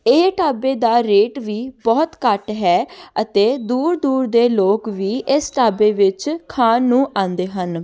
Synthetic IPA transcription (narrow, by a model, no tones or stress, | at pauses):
eːʈaːbeːd̪aːɾeːʈʋiːbɔːt̪kəʈɦɛːət̪eːd̪uːɾd̪uːɾd̪eːloːkʋiːʔɪsʈaːbeːʋɪt͡ʃkʰaːnːũːʔãːnd̪eːɦən